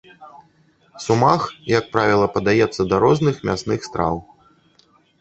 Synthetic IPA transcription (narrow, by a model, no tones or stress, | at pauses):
sumaxjɐk̚pɾavʲilˠɐpɐd̪ajɛt̪sːɐd̪ɐɾɔznɨxmʲasnɨxst̪ɾa̰w